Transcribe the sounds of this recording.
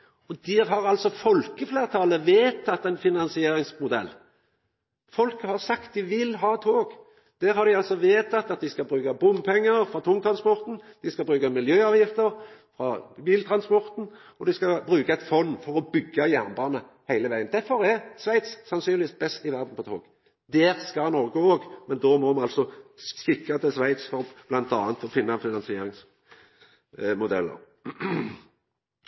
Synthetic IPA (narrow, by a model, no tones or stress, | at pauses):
ɔd̪ɛɦɑɾɑlsɔfɔlkəfleːʁt̪ʰɑːləʋeːt̪ʰɑt̪ːæɪnfɪnɑnsɪeːɾɪŋsmʊd̪ɛ̰lː | fɔlkəhɑʁsɑkt̪̚d̪ɪʋɪlɦɑːt̪ʰoːɡ | d̪̥æːɾhɑɾd̪ɪɑlsɔʋeːt̪ʰɑt̪ːɑt̪̚d̪ɪskɑlbɾʉːkɑbʊmpʰɛŋːəɾfɾɑt̪ʰʊŋt̪ʰɾɑnspɔɾt̪n̩d̪̥ɪskɑbɾʉːkɑmɪljøːɑːʋjɪft̪əɾfɾɑbiːlt̪ʰɾɑnspɔɾt̪n̩ | ɔd̪ɪskɑbɾʉːkɑɛt̪fɔnːfɔʁɔbʏɡːəjæʁnbɑːnə | hæɪləʋæɪənd̪æʁfɔʁæʁsʋæɪt̪ssɑnsyːnɪʋiːst̪̚bɛst̪ɪʋæʁd̪n̩pɔt̪ʰoːɡ̥ | d̪ɛːʁskɑnɔʁɡəoːɡmɛnd̪oːmɔɑnɑlsɔsɪkːɑt̪ʰɪlsʋæɪt̪sfɔʁɔb̥lɑnt̪ɑ̰ːnt̪ɔfɪnːɑfɪnɑnsɪeːɾɪŋs | mʊd̪ɛ̰lːə̰ʁ